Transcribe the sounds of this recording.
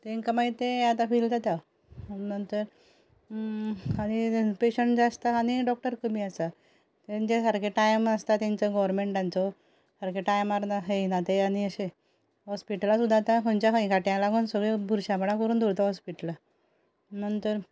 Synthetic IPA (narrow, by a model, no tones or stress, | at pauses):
t̪eiŋkəmait̪eat̪ãfilt̪at̪ja | nənt̪əɾ | aɽ̃ipeɕəɳʈd͡zast̪aːniɖɔk̚ʈəɾkəmiasa | t̪eɲd͡ʑesaɾkʰeʈajməst̪at̪ãɲt͡səɡɔʋɾmeɳʈãnt͡sɔ | səɾkeʈajmaɾnaɦeinat̪eaniəɕe | ɦɔspiʈəlasud̪ʱːaːt̪ãkənt͡ɕjaɦəĩkaʈjãlaɡuːnsəɡɭebʱuɾɕapəɽ̃akɔɾuːnd̪ʱuɾt̪aɦɔspiʈəla | nənt̪əɾ